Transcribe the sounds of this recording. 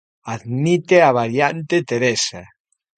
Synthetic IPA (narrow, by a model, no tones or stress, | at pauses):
aðmit̪eaβaɾjant̪et̪eɾesa